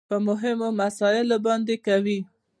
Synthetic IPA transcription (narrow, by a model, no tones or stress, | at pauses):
pəmʊɦɪmomasɑɪlobɑnd̪ekawi